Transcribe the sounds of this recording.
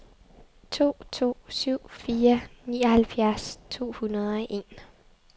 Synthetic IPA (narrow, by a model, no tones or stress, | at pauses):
t͡sʰo̝̰ːt͡sʰo̝̰ːsyʊ̰fiːɐnḭːɒhælfjæɐst͡sʰo̝̰ːhunɐð̞ˠɒ̽ʔe̝̰ːn